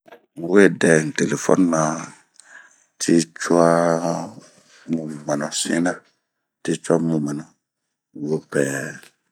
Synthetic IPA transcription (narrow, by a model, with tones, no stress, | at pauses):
m˨we˦˨dɛ˨n˨te˨le˨fɔ̰˦n˦na˨ | tʰi˦t͡ʃu˦a˦ | mũ˨ma˨nɔ˨sḭ˦na˦ | ti˦t͡ʃa˦mũ˨ma˨nɔ˨ | wo˦pɛ˨